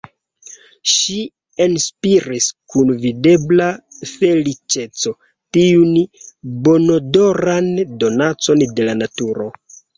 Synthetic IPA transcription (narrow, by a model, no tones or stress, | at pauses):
ʃi | enspiɾiskunvide̞blafe̞lit͡ʃe̞t͡so̞ | tiunbo̞no̞do̞ɾando̞nat͡so̞nde̞lanatuɾo̞